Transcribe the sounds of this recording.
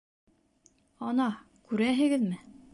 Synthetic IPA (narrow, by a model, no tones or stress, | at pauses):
ɑnɑ | kʉɾæɦɘ̆ɡɘðmɘ